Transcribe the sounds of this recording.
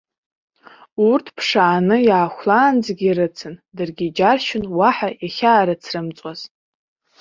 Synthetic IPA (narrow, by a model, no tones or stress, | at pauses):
urtʰpʰʂaːnɨjaːχʷlaːnd͡zɡʲiɾɨt͡sʰɨndɨrɡʲid͡ʒarʃɪnwaħajaχʲaːɾɨt͡sʰrɨmt͡sʼaz̥